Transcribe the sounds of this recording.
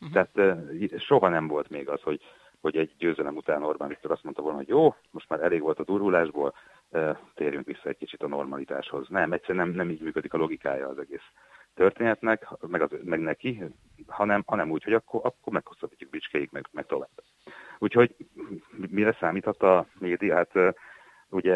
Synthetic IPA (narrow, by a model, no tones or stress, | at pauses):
t̪ɛɦaːt̪ːʃo̞ɦɒnɛɱvo̞lt̪meːɡɒsho̞ɟ | ho̞ɟɛɟːøːzɛlɛmut̪aːno̞rbanvit̪ːøːɾɒst̪mo̞nt̪ɒvoːlnɒɦo̞ɟjoːmo̞ʃt̪maːɾɛleːɡʋo̞lt̪ɒd̪uːrɦulaːʒboːl | øːt̪eːɾjyŋkʋisːɒɛc̚kit͡ʃit̪ɒno̞̰rmɒlit̪a̰ːʃho̞znɛmɛc̚sɛɾɛnɛmnɛmiːɟmyːkød̪ikɒlo̞ɡika̰ːjɒːzɛɡeːs | t̪ørt̪eːnɛt̪nɛkhmɛɡɒzmɛɡnɛki | hɒnɛmhɒnɛmuːcho̞ɟɒkːoʔɒkːormɛkho̞sːɒbicːuɡ̚bit͡ʃkɛjikmɛɡmɛk̚t̪o̞vaːb̥ | uːcho̞ɟmmiɾɛsaːmiːt̪ʰɒt̪ːɒmeːd̪ijɒɦat̪ː | uɟɛ